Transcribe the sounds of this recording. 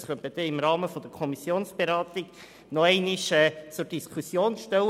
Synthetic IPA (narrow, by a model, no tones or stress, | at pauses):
sχœntməd̥̪ɛɪmɾɑːməfɔd̥̪əɾkʰɔmisjoːnsb̥eɾɑːt̪ɪɡ̥ | nɔɛɪnɪʃɛːt͡sʊɾd̥iskʰusjoːnʃtɛw